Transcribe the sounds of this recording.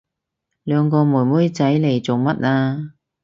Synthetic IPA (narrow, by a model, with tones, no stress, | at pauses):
lœː˨˧ŋkɔː˧muː˨˩muː˥jt͡sɐ˨˥jle˨˩jt͡so˨wmɐ˥t̚ʔaː˧